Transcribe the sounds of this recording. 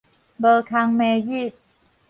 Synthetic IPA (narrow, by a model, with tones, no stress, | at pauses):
bəː˧kʰa˧ŋme˧zi˥˨t̪̚